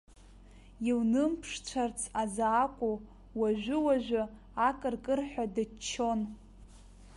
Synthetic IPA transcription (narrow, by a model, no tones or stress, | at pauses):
iwnɨmpʰʂt͡ɕʷʰart͡sʰazaːkʷʼu | waʒʷᶣʊwaʒʷᶣʊ | akʼɨrkʼɨrħʷᶣadɨt͡ʃʰːo̞n